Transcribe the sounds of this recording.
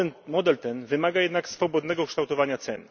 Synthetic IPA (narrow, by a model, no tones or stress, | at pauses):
ɛnmɔd̪ɛlt̪ɛnvɘmaɡajɛd̪naksfɔbɔd̪nɛɡɔkʂt̪awt̪ɔvaɲat̪sɛ̰n